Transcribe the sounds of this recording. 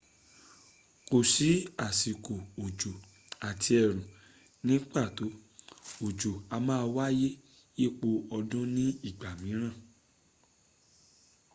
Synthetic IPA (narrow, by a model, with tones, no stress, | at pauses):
ko˨si˨˦a˦˨si˨ko˨o˨d͡ʒo˨ | a˨tʰi˧ɛ˨ɾ̃ũ˨ | nĩ˦k͡pa˦˨to˨˦o˨d͡ʒo˨a˧mãː˦˧wa˦je˦ | je˦˨k͡po˧ɔ˧dũ˦nĩ˦i˦˨ɡ͡ba˨mĩ˨˦ɾ̃ã˦˨